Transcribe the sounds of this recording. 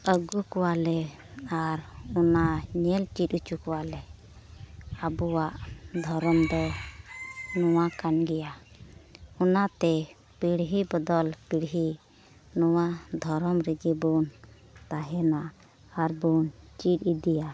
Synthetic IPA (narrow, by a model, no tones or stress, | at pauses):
əɡukɔwalɛ | aɾɔnaɲɛlt͡ʃiʈut͡ʃukɔwalɛ | abuwaʔd̪ʱɔɾɔmd̪ɔ | nɔwakanɡɛja | ɔnat̪ɛ | piɽɦibɔd̪ɔlpiɽɦi | nɔwad̪ʱɔɾɔmɾɛɡɛbɔn | t̪aɦɛna | aɾbɔnt͡ʃiʈˀid̪ija